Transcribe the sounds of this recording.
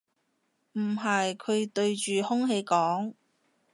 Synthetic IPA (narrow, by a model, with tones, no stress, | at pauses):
m̩˨˩ɦɐ˨jkʰɵ˨˧ɥt̪ɵ˧ɥt͡ʃyː˨hʊ˥ŋɦe˧jkɔː˨˥ŋ